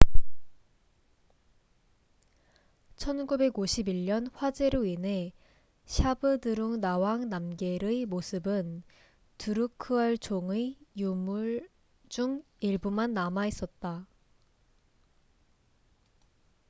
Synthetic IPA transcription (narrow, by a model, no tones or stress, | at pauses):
t͡ɕʰʌnɡube̞ɡoɕʰibiɭɲʌnɸwad͡ʑe̞ɾɯinɦe̞ | ɕʰabɯdɯɾoŋnawaŋnamɡe̞ɾɯimosʰɯbɯn | tuɾukʰɯɦaɭt͡ɕoŋɯjumu | d͡ʑuŋ | iɭbumanːamais͈ʌt̚t͈a